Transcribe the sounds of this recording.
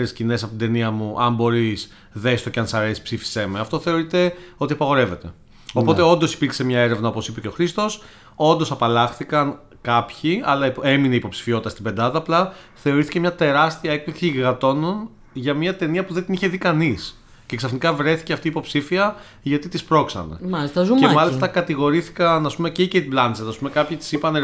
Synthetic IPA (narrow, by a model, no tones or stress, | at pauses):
ɾescine̞sɐpot̪nd̪e̞niɐmuʔɐmbo̞ɾis | ðe̞st̪o̞ceɐnsɐɾe̞si̥psifi̥semeɐft̪o̞θe̞oɾit̪e̞o̞t̪iɐpɐɣo̞ɾe̞ve̞t̪e̞ | opo̞t̪eo̞nd̪o̞si̥piɾkse̞mɲɐeɾe̞vnɐo̞po̞sipece̞o̞xɾist̪o̞s | o̞nd̪o̞sɐpɐlɐxθikɐn | kɐpçiɐlɐiemineiːpo̞psi̥fio̞t̪it̪ɐst̪ibe̞nd̪ɐðɐːplɐ | θe̞o̞ɾiθicemɲɐt̪e̞ɾɐst̪iɐe̞k̚plisiːɣɐt̪o̞no̞n | ʝɐmiɐt̪e̞niɐpuðed̪iniçe̞ðikɐnis | ce̞ksɐfnikɐvɾe̞θi̥ceɐft̪iːpo̞psifiɐ | ʝɐt̪it̪ispɾo̞ksɐ̰nḛmɐlist̪ɐzuemɐlist̪ɐkɐt̪iɣo̞ɾiθi̥kɐnɐspumececet̪iblɐnset̪ɐspume̞kɐpçit̪i̥sipɐne